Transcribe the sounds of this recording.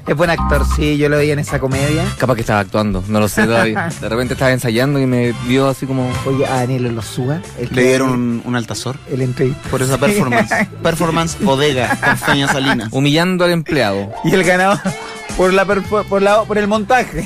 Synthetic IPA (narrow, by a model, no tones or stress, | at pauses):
eɦbwenak̚t̪oɾsiʝoloeiaenesakomeðjakapahkeht̪aβaːk̚t̪wand̪onoloset̪oðaβiad̪erepe̞nt̪eht̪aʋaensajand̪oimeβjoasikomoojeʔaðanjelolosua | elleðjeɾonunṵnalt̪asoɾelent̪ɾeit̪poɾes̬apeɾfoɾmanspeɾfoɾmansboðeɣakanfaɲassalinaumiʎand̪oale̞mpleaðoielɣanaa | poɾlapeɾfoɾpoɾlapoɾelmont̪axe